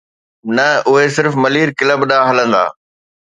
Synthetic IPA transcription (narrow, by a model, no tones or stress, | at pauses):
nɐʊɦesɪɾfmɐliːɾkɪləbɗaːɦɐlə̃nd̪a̰ː